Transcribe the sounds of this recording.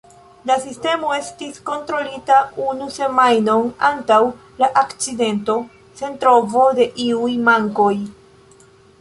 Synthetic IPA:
lasiste̞mo̞e̞stisko̞ntɾo̞litaunuse̞majno̞nantaw | laʔakt͡side̞nto̞ | se̞ntɾo̞vo̞de̞ʔiujmaŋko̞j

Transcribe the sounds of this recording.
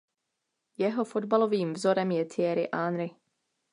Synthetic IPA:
jɛɦo̞fo̞dbalo̞viːmvzo̞ɾɛmjɛt̪ʰɪɛɾɪʔaːnɾɪ

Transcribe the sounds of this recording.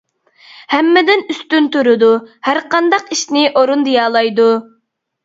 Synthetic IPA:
hɛmːɪd̪ɪnyst̪ynt̪uɾɨd̪uhæɾqʰɑnd̪ɑqiʃnɪʔoɾund̪ijɑːlˠɑjd̪u

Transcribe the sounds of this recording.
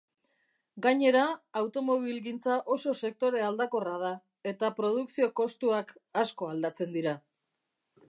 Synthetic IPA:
ɡaɲe̞ɾaːwt̪o̞mo̞β̞ilɣint͡saʔo̞so̞se̞k̚t̪o̞ɾe̞ald̪ako̞rað̞a | e̞t̪apɾo̞ð̞uksio̞ko̞st̪uakasko̞ald̪at͡se̞nd̪iɾa

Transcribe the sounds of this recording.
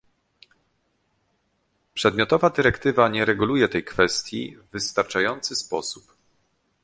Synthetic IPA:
pʂɛd̪mʲɔt̪ɔvad̪ɘɾɛkt̪ɘvaɲɛɾɛɡulujɛt̪ɛjkfɛst̪ʲjḭvːɘst̪aɾt͡ʂajɔnt̪sɘspɔsup

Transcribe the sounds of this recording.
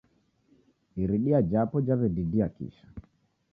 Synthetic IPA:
iɾiɗiad͡ʒapɔd͡ʒavɛdidiakḭʃḁ

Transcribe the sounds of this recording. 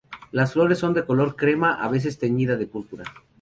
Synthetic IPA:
lasflo̞ɾesːo̞nd̪eko̞lo̞ɾkɾe̞maʔa̰βe̞s̬e̞st̪e̞ɲiðaðe̞pulpuɾa

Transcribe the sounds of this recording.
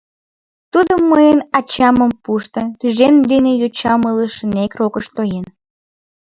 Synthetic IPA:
t̪ud̪omːəjənɑt͡ɕɑməmpuʃt̪ənt̪yʒend̪enejot͡ɕɑmələʃənekrokəʃt̪ojen

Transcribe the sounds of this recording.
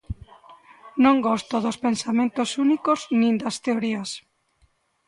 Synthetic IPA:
nõŋɡɔst̪oðospensamẽnt̪osunikoznĩnd̪ast̪eoɾias

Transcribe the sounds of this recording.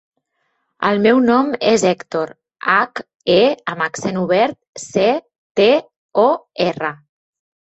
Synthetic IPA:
ə̰lˠmɛwnɔmezɛkt̪oɾ | ak | eəməksenuβ̞ɛɾt̪̚se | t̪e | ɔerə

